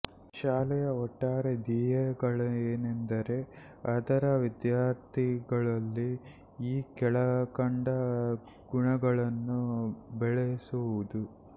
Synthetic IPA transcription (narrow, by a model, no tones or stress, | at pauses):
ʃaːlɛjɐɔʈːaːɾed̪iːjɐɡɐɭɐeːnend̪ɐɾe̞ | ɐd̪ɐɾɐʋid̪jaːɾt̪ʰiɡɐɭɐlːi | iːkɛɭɐkɐɳɖɐ | ɡ̥uɳɐɡɐɭɐnːubɛɭesuʋud̪u